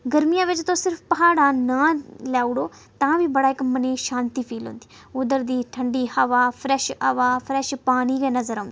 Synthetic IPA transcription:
ɡəɾmijãːʋɪt͡ʃt̪õːsɪɾfpɐɦaːɽãːnãːljaːʊɽoː | t̪ãːʋiːbəɽaːɪkməneːʃãːnt̪iːpʰiːlɦõ̰ːnd̪i̥ː | ʊd̪əɾd̪iːʈʰəɳɖiːhəʋaːpʰɾɛʃəʋaːpʰɾɛʃpaːñiːɾeːnəzəɾɦõːnd̪

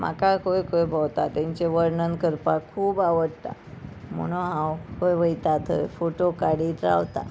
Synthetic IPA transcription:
m̤a̰kakojkojbʱawt̪at̪ãɲt͡ɕeʋəɾɳənkəɾpakʰuːbaʋəɽt̪a̰m̤ə̰ɽ̃oɦãwkojʋəjt̪at̪ʰə̰foʈokaɽiːt̪ɾa̰wt̪a̰

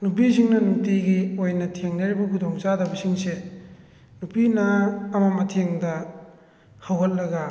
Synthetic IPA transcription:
nupisiŋnɐnutiɡiojnɐtʰeŋnɐɾibɐkʰudoŋt͡ʃadɐbɐsiŋse | nupinɐːmɐmɐtʰeŋdɐ | hawɦɐt̚lɐɡɐ

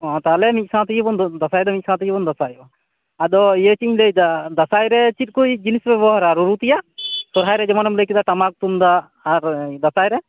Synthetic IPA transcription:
ɔt̪alɛmit̪̚ˀsãt̪ijibɔnd̪asajd̪ɔmit̪̚ˀsãt̪̬ijibɔnd̪asajɔ | ad̪ɔijət͡ʃiɲləjd̪ad̪asajɾɛt͡ʃit̪̚ˀkujd͡ʒinisbɛbɔɦɔɾaɾuɾut̪ijasɔɾɦajɾɛd͡ʒɛmanɔmləjkid̪aʈamak̚t̪umd̪aː | ɾd̪asajɾɛ

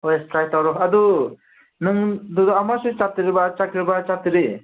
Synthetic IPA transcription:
ɔjstɾajt̪awɾɔɦad̪u | nɯŋd̪ud̪amasɯt͡ʃat̪ɯɾɯbat͡ʃakɾɯbat͡ʃat̪ɯɾɯ

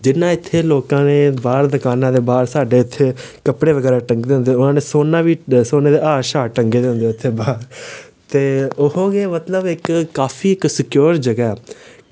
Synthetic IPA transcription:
d͡ʒɪnːãːɪt̪ʰːeːloːkãːneːbaːɾd̪əkaːnãːd̪eːbaːɾsaːɖeːʊt̪ʰːeːkəpɽeːʋəɡɛːɾaːʈəŋɡd̪eːɦʊ̃nd̪eːʊnãːneːsoːnãːʋiːsoːneːd̪eːaːʃaːʈəŋɡeːd̪eɦʊ̃nd̪eːʊt̪ʰːeːbaːɾ | t̪eːʊɦõːɡeːmət̪ləbɪkkːaːpʰiːɪksɪkjoːɾd͡ʒəɡɛːɛ

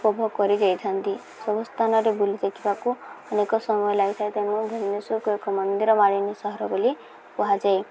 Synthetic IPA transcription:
pɔbʱɔkɔɾid̪ejt̪ʰant̪i | sɔbɔst̪ʰanɔɾebulid̪ekʰibakuɔnekɔsɔmɔjɔlajt̪ʰaet̪enud̪ʱɔnjɔsukuekɔmɔnd̪iɾɔmaɽinesɔɦɔɾɔboli | pɔɦad͡ʒae

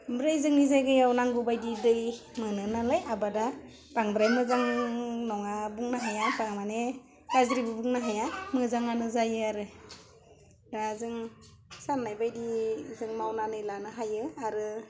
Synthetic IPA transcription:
bɾajzɯŋnizajɡɯjawnaŋɡubajdidɯj | mɯnɯnalajabada | baŋbɾajmɯzaŋnɔŋabuŋnaɦajabaŋmane | kazɾibɯbuŋnaɦajamɯzaŋanɯzajɯaɾɯ | ɾazɯŋ | sanːajbajdizɯŋmawnanɯjlanɯɦajɯaɾɯ

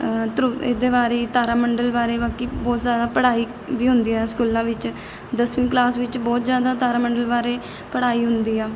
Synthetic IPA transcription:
t̪ɾuḛːd̪eːbaːɾeːt̪aːɾaːməɳɖəlbaːɾeːbaːkiːbɔːt̪zjaːd̪aːpəɽaːiː | biːɦʊnd̪iːɦɛːskuːlãːʋɪt͡ʃ | d̪əsʋĩːklaːsʋɪt͡ʃbɔːt̪zjaːd̪aːt̪aːɾaːməɳɖəlbaːɾeː | pəɽaːiːɦʊnd̪iːɛː

